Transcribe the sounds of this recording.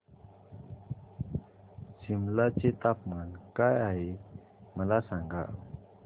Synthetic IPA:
d͡ʑimlat͡ɕet̪apmankajaɦe | məlasaŋɡa̰

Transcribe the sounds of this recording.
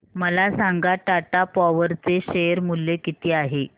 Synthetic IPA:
məlasaŋɡaʈaʈapɔʋəɾt͡seɕejəɾmulːekit̪iːaɦe

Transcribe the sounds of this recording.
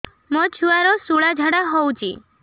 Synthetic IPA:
mət͡ʃʰuaɾosuɭad͡ʒʱaɽaɦɔwt͡ʃʰḭ

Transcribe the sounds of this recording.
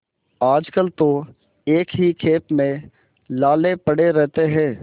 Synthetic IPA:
aːd͡ʒkəlt̪o | eːkɦikʰeːpmẽ | laːlepɐɽeɾɛɦt̪eɦɛ̃ː

